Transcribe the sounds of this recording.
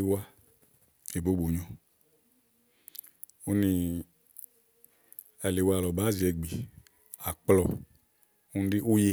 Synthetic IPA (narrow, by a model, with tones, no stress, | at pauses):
i˨˧wa˧ | e˨bo˨˦bo˨ɲɔ̃˧ | u˦ni˧ | ɛ˨le˨wa˧˨lɔ˨baː˨˦zi˨ɛ˧ɡ͡bi˨ | a˨k͡plɔ˨ | u˦n˦di˦ʔu˦je˨